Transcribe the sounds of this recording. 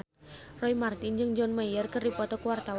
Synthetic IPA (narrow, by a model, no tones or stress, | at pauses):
rɔimart̪ind͡ʒɨŋd͡ʒɔnmajərkɨrdipɔt̪ɔkəwart̪aw